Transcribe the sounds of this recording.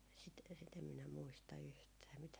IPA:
sit sit em minæ muistɑ yhtæː mitæ

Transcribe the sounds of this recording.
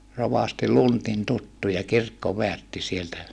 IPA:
roʋɑsti luntin tutːujɑ kirkːoʋeærtːi sieltæ

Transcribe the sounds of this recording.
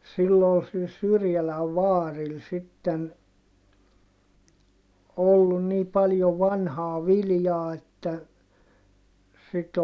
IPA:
silː ol sil syrjælæʋ ʋɑːril sitːen olːun niː pɑljo ʋɑnhɑː ʋiljɑː etːæ sit

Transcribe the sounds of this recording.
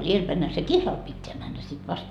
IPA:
ielpæinhæ se kihlɑl pitːeæ mænːæ sit ʋɑst

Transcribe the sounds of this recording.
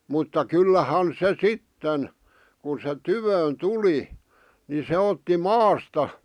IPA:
mutːɑ kylːæhɑn se sitːen kun se tyʋøːn tuli ni se otːi mɑːstɑ

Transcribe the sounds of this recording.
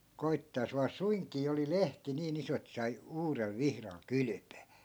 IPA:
koitːɑː jos ʋɑː suiŋkiː oli lehti niːn iso et sɑi uːrel ʋihrɑl kyly̆pøː

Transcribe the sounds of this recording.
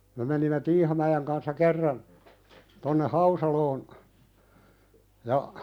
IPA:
me menimːe tiːhɑmæjeˑŋ kɑnsːɑ kerːɑn tonːe hɑusɑloːn jɑ

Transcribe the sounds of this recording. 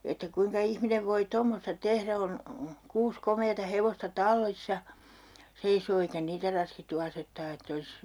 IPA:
etːæ kuiŋkɑ ihmineʋ ʋoi tomːostɑ tehræ on kuːs komeːtɑ heʋostɑ tɑlːisːɑ seisoː eikæ niːtæ rɑskitːu ɑsetːɑː etː olis

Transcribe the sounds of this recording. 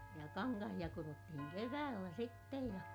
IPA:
jɑ kɑŋkɑhij̆ɑ kurotːihiŋ keʋæːlːæ sitːej jɑ

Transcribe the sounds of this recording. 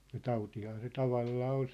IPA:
jɑ tɑutihɑː se tɑʋɑlːɑː ol

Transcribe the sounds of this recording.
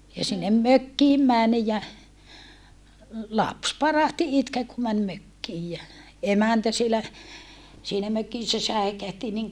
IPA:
jɑ sinːem møkːiːm mæn jɑ lɑps pɑrɑhti itkeː ku mæn møkːiːj jæ emæntæ sielæ siːnæ møkisːæ sæi̯kæhti niŋ

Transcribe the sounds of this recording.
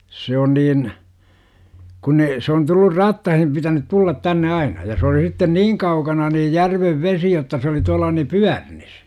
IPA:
se on niːn kun ne se on tulːur rɑtːɑhim pitænyt tulːɑt tænːe ɑinɑ jɑ se oli sitːen niːŋ kɑukɑnɑ niːj jærʋeʋ ʋesi jotːɑ se oli tuɑlˑɑ ni pyærnis

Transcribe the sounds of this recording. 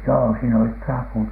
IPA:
joː siːn olit trɑput

